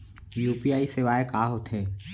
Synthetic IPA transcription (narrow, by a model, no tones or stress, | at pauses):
juːpiaːisɪʋaːekaːɦot̪ʰẽː